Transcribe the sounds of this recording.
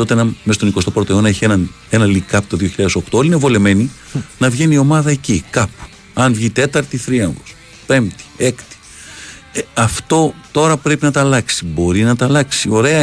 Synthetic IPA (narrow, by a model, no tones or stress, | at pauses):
t̪o̞t̪enɐmest̪o̞nikost̪o̞pɾot̪oo̞nɐeçienɐn | e̞nɐlikɐpt̪o̞ðio̞çiʎɐðeso̞kt̪o̞olinevo̞le̞me̞ni | nɐvʝe̞nio̞mɐðɐe̞cikɐpu̥ | ɐnvʝit̪e̞t̪ɐɾt̪iθɾiɐŋɡo̞s | pe̞mt̪i̥e̞kt̪i̥ | ɐft̪o̞t̪o̞ɾɐpɾe̞pinɐt̪ɐlɐksi̥bo̞ɾinɐt̪ɐlɐksio̞ɾe̞ɐ